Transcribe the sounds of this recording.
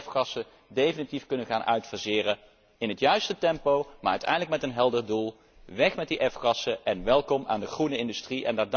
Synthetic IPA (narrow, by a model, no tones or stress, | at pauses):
fχɑsə | dejfənitifkɵnənχaːnʔœɥtfəɹzɪːrə | ɪnɦətjœɥstətɛmpowmaːɹœ̰ɥtɛ̰jndələkmɛtənɦɛlˠdəɹdulˠ | ʋɛχmɛt̚diʔɛfχɑsəʔɛnʋɛlˠkɔma̰ːndəχrunəɪndystriʔɛ̰ndad